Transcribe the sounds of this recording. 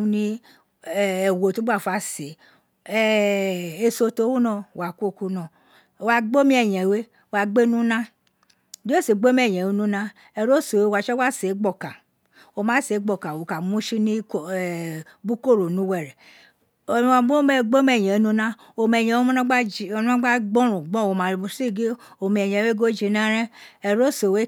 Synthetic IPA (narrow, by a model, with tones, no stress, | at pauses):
u˦nĩ˦˨ | e˨wo˨to˦ba˨fa˦se˨ | e˨so˧to˦wu˦nɔ̃˦˨wa˨kʷo˦˨ku˦nɔ̃˨ | wa˨ɡ͡bo˦mĩ˦ɛ˨ɲɛ̃˨we˦ | wa˨ɡ͡be˦nũ˦nã˦ | do˦e˦se˨ɡ͡be˦mɛ˦˨ɲɛ̃˨we˦nũ˦nã˦ | e˨ɾo˦so˨we˦wa˨t͡ʃɔ˦wa˦se˨˦ɡ͡bɔ˦˨ka˨ | wo˨mã˨˦se˨˦ɡ͡bɔ˨ka˨wo˨ka˨mũ˦ʃi˦ni˦o˨ | bu˦ko˦˨ɾo˨nũ˨˦wɛ˨ɾɛ˨ | wa˨ɡ͡bo˦me˦ɡ͡bo˦m˦ɛ˨ɲɛ̃˨˦nũ˦nã˦ | o˨mɛ˨ɲɛ̃˨wo˦u˦na˦ɡ͡ba˦d͡ʒi˨o˨˦n˦ã˦ɡ͡ba˦ɡ͡bɔ̃˦ɾũ˨ɡ͡bɔ̃˦wo˨mã˨ɾi˨bu˨si˦˨ɡe˦ | o˨mĩ˨ɛ˨ɲɛ̃˨we˦ɡo˦d͡ʒi˨˦nã˦ɾɛ̃˦ɛ˨ɾo˦so˨we˦